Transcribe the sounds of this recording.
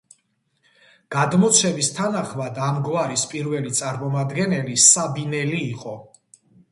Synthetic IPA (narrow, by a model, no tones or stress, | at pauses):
ɡ̥ad̪mɔt̪sʰɛmist̪ʰanaχmad̪amɡvaɾispʼiɾvɛlit̪sʼaɾmɔmad̪ɡɛnɛlisabinɛliːqʼɔ